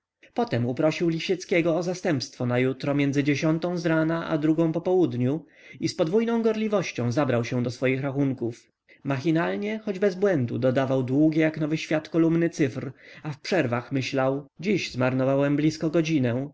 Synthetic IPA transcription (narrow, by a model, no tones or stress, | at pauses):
pɔt̪ɛmupɾɔɕiwlʲiɕɛt̪skʲɛɡɔːzast̪ɛmpst̪fɔnajut̪ɾɔmʲjɛnd̪zɘd͡ʑeɕɔnt̪ɔ̃w̃zɾanaʔa̰d̪ɾuɡɔ̃w̃pɔpɔwud̪ɲu | ispɔd̪vujnɔ̃w̃ɡɔɾlʲivɔɕt͡ɕɔ̃w̃zabɾawɕɛd̪ɔsfɔjixɾaxuŋkuf | maxʲinalɲɛxɔd͡ʑbɛzbwɛnd̪ṵd̪ɔd̪avawd̪wuɡʲɛjaknɔvɘɕfʲjat̪kɔlumnɘt̪sɘfɾafpʂɛɾvaxmɘɕlawd͡ʑiʑzmaɾnɔvawɛmblʲiskɔɡɔd͡ʑinɛ